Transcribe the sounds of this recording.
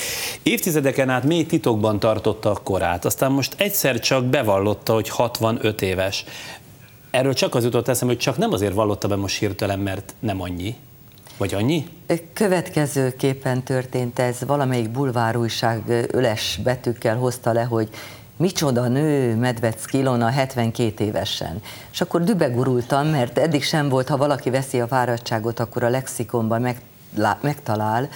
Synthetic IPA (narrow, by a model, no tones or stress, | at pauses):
eːft̪izɛd̪ɛkɛnaːt̪meːjt̪it̪o̞ɡ̚bɒnt̪ɒrt̪o̞t̪ːɒko̞ɾa̰ːt̪ɒst̪aːmːo̞ʃt̪ɛcsɛrt͡ʃɒk̚bɛvɒlːo̞t̪ːɒho̞chɒt̪vɒnøt̪eːvɛʃ | ɛrːøːlt͡ʃɒkɒzjut̪ot̪ːɛsɛmho̞c̚t͡ʃɒknɛmɒzeːrvɒlːo̞t̪ːɒbɛmoʃhirt̪ɛlɛmːɛrt̪nɛmɒɲːi | vɒɟɒɲːikø̞vɛt̪kɛzøːkeːpːɛnt̪ørt̪eːnt̪ɛzʋɒlɒmɛjiɡ̚bulvaːɾuːjʃaːɡø̰lɛʃbɛt̪ykːɛlɦo̞st̪ɒlɛɦo̞ɟ | mit͡ʃo̞d̪ɒnøːmɛd̪ʋɛt̪skilo̞nɒɦɛt̪ʋɛŋkeːt̪eːvɛ̰ʃɛ̰neʃɒkːo̞rd̪ybɛɡuɾult̪ɒmːɛrt̪ɛd̪ːikʃɛɱvo̞lt̪hɒvɒlɒkivɛsiɒvaːɾɒct͡ʃːaːɡo̞t̪ɒkːo̞ɾɒlɛksiko̞mbɒm | mɛkt̪ɒlaːl